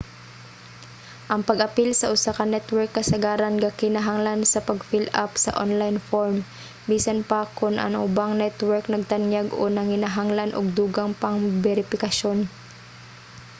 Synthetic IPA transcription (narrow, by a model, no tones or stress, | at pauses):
ʔɐŋpɐɡʔɐpilsɐʔʊsakɐnɛt̪wɛɹkːɐsɐɡaːɾɐnɡakɪnaɦaŋlansɐpɐɡfilʔa̰psɐ̰ʔonlajnfoɹm | biːsɐnpakʊnʔɐ̰ŋʔʊ̰baŋnɛt̪wɛɹknɐɡ̚t̪ɐnjaɡonɐŋɪnaɦaŋlanʔoɡ̚d̪uːɡaŋpɐŋbɛɾɪfɪkɐʃo̞n